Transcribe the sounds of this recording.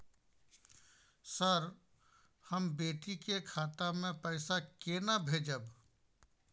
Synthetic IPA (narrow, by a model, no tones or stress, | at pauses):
səɾ | həmbeːʈikekʰaːt̪amẽpɛɪsakenabʱeːd͡ʒəb